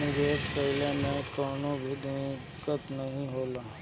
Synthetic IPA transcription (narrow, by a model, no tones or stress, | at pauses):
nɪʋeːd͡ʒpəɦɪlẽmɛ̃kɔːnõbʱid̪e | kət̪nəɦĩɦoːlaː